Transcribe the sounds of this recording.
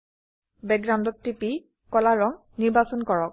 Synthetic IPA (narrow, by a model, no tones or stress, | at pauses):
bɛɡɹãndɔtːipi | kɔlaɹɔŋ | niɹbasɔnkɔɹɔk̚